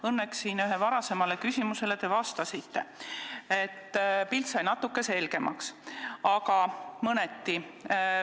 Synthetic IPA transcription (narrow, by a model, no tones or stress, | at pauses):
ɤnːeksːiːnyɦevɑɾɑse̞mɑle̞kysʲimuse̞le̞t̪e̞vɑst̪ɑsit̪ːe̞ | e̞t̪ːˑpilt̪sɑjnɑt̪ːˑukːˑe̞se̞lɡ̥e̞mʔɑ̰ksɑkɑmɤnet̪ːi